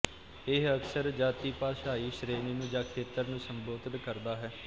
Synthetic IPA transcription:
ɪəksəɾd͡ʒaːt̪iːpaːʃaːiːʃɾeːniːnũːd͡ʒãːkʰeːt̪əɾnũːsəmboːd̪ənkəɾd̪aːɦɛː

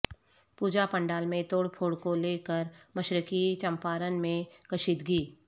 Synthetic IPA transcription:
puːd͡ʒapə̃ɳɖaːlmẽt̪oːɽpʰoːɽkoleːkəɾməʃɾəkit͡ʃɐ̃mpaːɾənmẽkɐʃiːd̪ɡiː

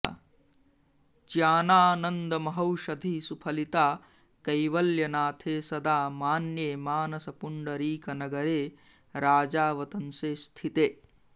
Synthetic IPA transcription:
t͡ʃjaːnaːnɐnd̪ɐmɐɦɐwʃɐd̪ʱisupʰɐlit̪aː | kɐjʋɐljɐnaːt̪ʰeːsɐd̪aːmaːnjeːmaːnɐsɐpuɳɖɐɾiːkɐnɐɡɐɾeː | ɾaːd͡ʒaːʋɐt̪ɐnseːst̪ʰit̪eː

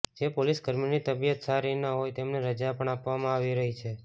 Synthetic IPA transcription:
d͡ʒepolisɡəɾminit̪əbijət̪saɾinəɦojt̪emneɾəd͡ʒapəɳapʋamãaʋiɾəɦit͡ʃʰe

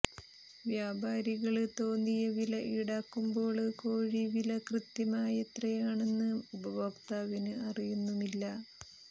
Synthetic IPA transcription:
ʋjaːbʱaːɾiɣɐɭt̪o̞ːnːijɐʋilɐʔiɽaːkːumbo̞ːɭɨkoːɻiʋilɐkrɨt̪jɐmaːjet̪rɐjaːɳe̞nːɨmubɐbɐkt̪aːʋinɨɐrijunːumilːɐ

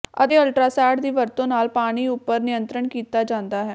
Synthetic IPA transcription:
ə̰t̪eːəlʈɾaːsaːʈd̪iːʋəɾt̪õːnaːlpaːɽ̃iːʊpːəɾnɪjə̃nt̪ɾəɳkiːt̪aːd͡ʒãːnd̪aːɦɛː

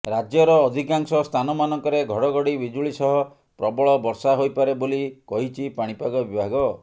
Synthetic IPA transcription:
ɾad͡ʒjɔɾɔːd̪ʱikaŋsɔst̪ʰanɔmanɔŋkɔɾeɡʱɔɽɔɡɔɽibid͡ʒuɭisɔɦɔ | pɾɔbɔɭɔbɔɾsaɦojpaɾebolikɔɦit͡ʃʰipaɽ̃ipaɡɔbibʱaɡɔ

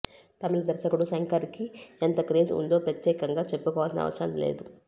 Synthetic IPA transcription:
t̪ɐmilɐd̪ɐɾʃɐkuɽusɐŋkɐɾikient̪ɐkɾeːsṵnd̪o̞ːpɾɐt̪jɛːkɐŋɡaːt͡ʃepːukɔːʋalsinɐ̰ʋɐ̰sɾɐnlḛːd̪u

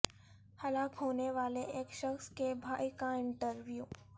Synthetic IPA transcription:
hɐlaːkɦoːneʋaːleʔeːkʃɐxskebʱaːikaɪ̃ɳʈəɾʋjuː

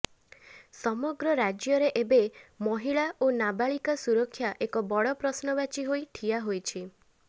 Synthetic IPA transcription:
sɔmɔɡɾɔɾad͡ʒjɔɾeʔebemɔɦiɭaʔonabaɭikasuɾɔkʰːjaʔekɔbɔɭɔpɾɔsnɔbat͡ʃiɦojʈʰiaɦojt͡ʃʰi

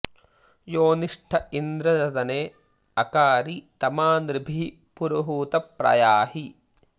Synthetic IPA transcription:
joːniʂʈʰɐind̪ɾɐdɐd̪ɐneː | ɐkaːɾit̪ɐmaːnɾɪbʱi | puɾɐɦuːt̪ɐpɾɐ̰jaːhi

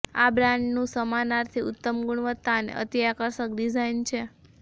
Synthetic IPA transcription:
abɾãɳɖnũsəmanaɾt̪ʰiʊt̪ːəmɡuɳ̃ʋət̪ːanḛʔə̰t̪ijakəɾʃək̚ɖizaint͡ʃʰe

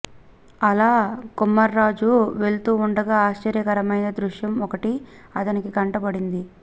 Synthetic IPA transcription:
ɐlaːkumːɐɾːaːd͡ʒuʋe̞ɭt̪uːɳɖɐɡaːaːʃt͡ʃɐɾjɐkɐɾɐmɐjnɐd̪ɾuʂjɐmɔkɐʈi | ɐt̪ɐnikikɐɳʈɐbɐɽind̪i

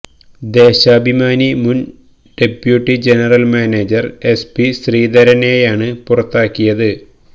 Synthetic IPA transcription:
d̪e̞ːɕaːbʱimaːnimun | ɖepjuʈːid͡ʑe̞nɐrɐlmaːneːd͡ʑɐre̞spiɕriːd̪ɐɾɐne̞ːjaːɳɨpurɐt̪ːaːkːijɐðɨ

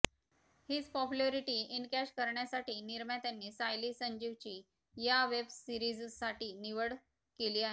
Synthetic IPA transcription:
hiːd͡zpɔpjuleɾiʈiːinkæɕkəɾɳjasaʈiːniɾmjat̪janːiːsajliːsəɲd͡ʑiʋt͡ɕiː | jaʋebsiɾid͡zsaʈiːniʋəɽ | keliːaɦe

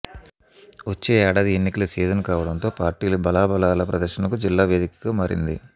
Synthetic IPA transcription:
ʋot͡ʃːeːɛːɽaːd̪ienːikɐlɐsiːd͡ʒɐnkaːʋɐɽɐnt̪o̞ːpaːɾʈiːlɐbɐlaːbɐlaːlɐpɾɐd̪ɐɾʃɐnɐkud͡ʒilːaːʋeːd̪ikɐɡaːmaːɾḭnd̪ḭ

